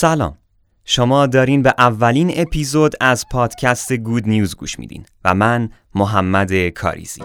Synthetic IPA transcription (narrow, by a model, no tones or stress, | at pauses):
sælɒ̰ːm | ʃomɒːd̪ɒːɾiːnbeʔævːæliːne̞pʰiːzod̪æzpʰɒːd̪̥cʰæst̪eɡuːd̪nijuːzɡṵːʃmḭːd̪ḭːnvæ̰mæn | moɦæmːæd̪e̞kʰɒ̰ːɾḭːz̥ḭː